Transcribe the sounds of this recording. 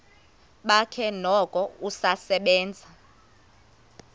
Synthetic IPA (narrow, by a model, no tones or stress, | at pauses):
ɓakʰɛnɔkʼɔusasɛɓɛːnd͡zʱa